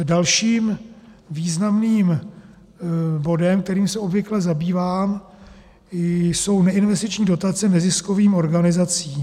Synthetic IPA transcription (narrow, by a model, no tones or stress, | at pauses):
dalʃiːm | viːznamniːm | bo̞dɛmkt̪ɛɾiːmsɛo̞bvɪklɛzabiːvaːm | so̞wnɛɪnvɛst̪ɪt͡ʃɲiːdo̞t̪at͡sɛnɛzɪsko̞viːmo̞ɾɡanɪzat͡siː